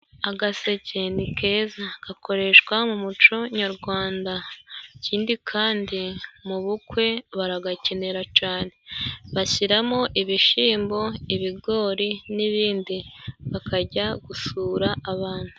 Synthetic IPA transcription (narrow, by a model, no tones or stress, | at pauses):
aɡase̞cenikʰe̞zaɡ̥akʰo̞ɾe̞ʃkwamumut͡ʃo̞ɲaɾɡwaːndaciːndikʰaːndimuβukwe̞βaɾaɡace̞ne̞ɾacaːne̞βaçiɾamoʔiβiʃiːmbo̞iβiɡo̞ːɾiniβiːndiβakʰaɟaɡ̥usuːɾaʔːβaːn̥hu